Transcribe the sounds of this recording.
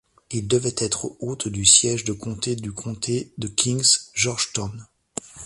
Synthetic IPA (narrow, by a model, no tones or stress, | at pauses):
ild̪əvɛt̪ʰɛt̪χəot̪d̪ysjɛʒd̪əkʰɔ̃t̪ed̪ykʰɔ̃t̪ʰed̪əkʰʲĩŋzʒɔʁʒt̪ɔn